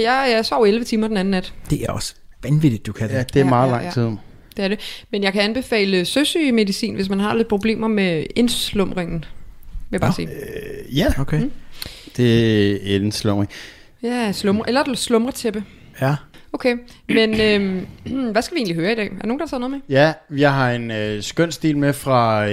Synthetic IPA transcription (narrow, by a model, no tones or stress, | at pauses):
jɑɪsɒʊ̰elʋət͡sʰiːmɐd̥enæn̩ːnæd̥d̥e̝ʔæɐɒsʋænʋid̥id̥ːukʰæd̥e̝æɐmɑ̈ːð̩ˠlɑ̈ŋʰið̞̰ˠ | d̥e̝æɐɾe̝menjɑ̈ɪkʰæænb̥e̝fɛ̰ːləsøsyme̝ðisḭːnʋe̝s̬mænɦɑ̈led̥̚pʰʁob̥le̝̰ːmɐmeenslɔ̽mʁeŋn̩ʋejabɑ̈sḭːjæokʰe | d̥e̝æd̥enslɔ̽mʁeŋ | æslɔmʁɐʔelɐ̥slɔ̽mʁɐt͡sʰeb̥ə | oʊkʰe | menø | ʋæsɡ̥æʋie̝ːnliɦøːɐid̥ɛ̰ːæɐno̝ːŋ̩nd̥ɑt͡sʰɛð̰ˠnɔð̩ˠmejæʋjɑ̈ɪɦɑ̈e̝nøsɡ̥œn̰sd̥ḭːlmefʁɑ̈